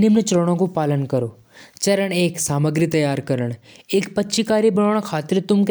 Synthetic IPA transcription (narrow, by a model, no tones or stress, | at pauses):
nimnet͡ʃəlɽ̃õkopaːlənkəɾoː | t͡ʃɐɾəɽ̃eːksaːməɡɾit̪ɐjaːɾkəɾəɳ̃eːkpɐtːʃikaːɾibəɳoːɽ̃kʰaːt̪ɪɾt̪ʊmk